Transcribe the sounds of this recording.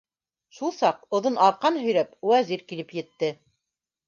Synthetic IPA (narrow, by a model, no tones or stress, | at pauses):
ʃulˠsɑqŏðonʔɑɾqɑnɦɵ̆jɾæpwæziɾkilɘpjɘ̆t̪ːɘ